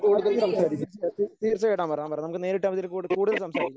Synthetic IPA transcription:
kuːɽuðɐlsɐmsaːɾikʲːut̪iːrt͡ɕːɐejɽaːmpɐrjampɐreːnɐmukːɨneːɾiʈːɐːmɐðilkuːɽkuːɽuðɐlsɐmsaːɾkikʲː

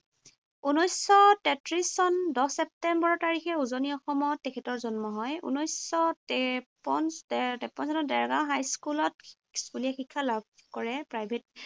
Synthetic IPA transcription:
unɔjsɔtɛtɹisɔndɔsɛp̚tɛmbɔɹɔtaɹixɛuzoniɔxɔmɔtːɛkʰɛtɔɹzɔnmɔɦɔjṵnɔjsɔtɛpɔnstɛpɔnsɔnɔdɛɹɡaɦajskulɔt | skulijɛxikʰːalab̚ʱkɔɹɛpɹajbʱet̚

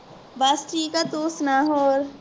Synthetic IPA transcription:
basʈiːkat̪uːsnaɦoːɾ

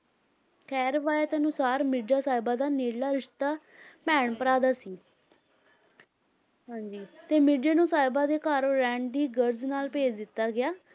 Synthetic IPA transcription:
kʰɛːɾʋaːjet̪eənʊsaːɾmɪɖaːsaːɪbaːd̪aːneːɽlaːɾɪʃt̪aː | pɛːɳpəɾaːd̪aːsiː | ɦãːɲd͡ʒiːt̪eːmɪɖeːnũːsaːɪbãːd̪eːkaːɾoɾɛ̃ːɳɖiːɡəɾznaːlpeːd͡ʒd̪ɪt̪ːaːɡɪjaː

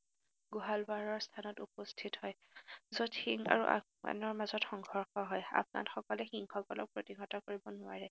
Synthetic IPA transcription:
ɡuɦalwaɹɔɹstʰanɔtupostʰithɔj | zotʰiŋa̰ɹuʔa̰ | a̰nɔɹmazɔtxɔŋɡʱɔɹxɔɦɔja̰pna̰txɔkɔlɛxiŋxɔkɔlɔk̚pɹotiɡʱɔtakoɹibɔnʊaɹɛ

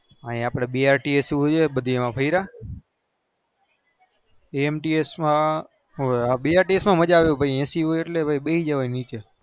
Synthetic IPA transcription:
aĩaːpɽ̃eɓiaɾʈiesɦod͡ʒeɓəd̪ʱiemãpʰəiɾa | eemʈiesmã | ɦobiaːɾʈiesmãməd͡ʒaʋjõbʱaiɛ̃siɦoeʈlebʱaiɓeid͡ʒəʋainit͡ʃe

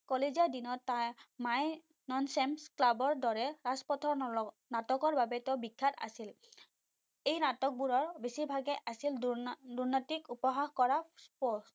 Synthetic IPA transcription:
kɔlezaɹdinɔtːamaj | nɔnsɛmsklabɔɹdɔɹɛɹaspɔtʰɔ | natɔkɔɹbabɛtɛʊbikʰːata̰sil | ejnatɔk̚buɹɔɹbesibʱaɡɛʔasilduɹnɔtikupɔɦaxkɔɹaspɔs

